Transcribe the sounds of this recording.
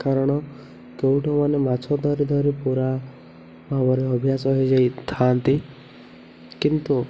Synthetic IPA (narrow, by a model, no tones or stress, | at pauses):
kaɾɔɽ̃ɔ | kewʈɔmanemat͡ʃʰɔd̪ʱɔɾid̪ʱɔɾipuɾa | mamɔɾeɔbʱjasɔɦed͡ʒajt̪ʰant̪i | kint̪u